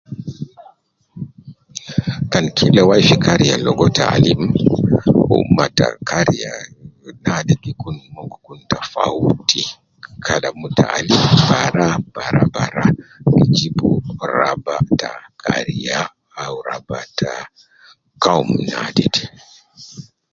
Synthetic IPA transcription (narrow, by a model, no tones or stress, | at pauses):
kankʰilawajfikaɾijalɔɡɔtaalim | ṵmːatakʰaɾijanadɛkikunːɔɡɔkuntafawti | kʰalamutaʔalimbaɾab̥aɾabaɾaid͡ʒibuɾabatakʰaɾijaː | wɾabatʰa | kawumnadɛd